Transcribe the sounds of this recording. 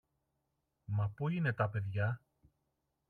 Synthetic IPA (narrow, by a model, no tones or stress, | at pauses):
mɐpuine̞t̪ɐpe̞ðʝɐ